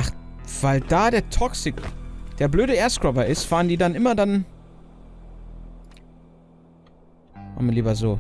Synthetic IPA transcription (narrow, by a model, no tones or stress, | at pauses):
ʔaχv̥aɪld̥aːdeːɐtʰɔksɪkd̥eːɐbløːɾəɛːɐskʁ̥ɔbɐɪstv̥aːʁəndiːdanʔɪmɐdan | ha̰mliːbɐzoː